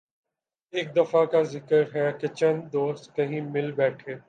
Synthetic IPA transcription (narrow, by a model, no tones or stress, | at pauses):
eːk̚d̪ɐfakazɪkəɾɦɛket͡ʃɐ̃nd̪d̪oːst̪kɐɦĩmɪlbɛːʈʰeː